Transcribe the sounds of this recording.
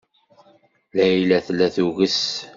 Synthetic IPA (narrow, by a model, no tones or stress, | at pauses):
læilæθlæθuɣəs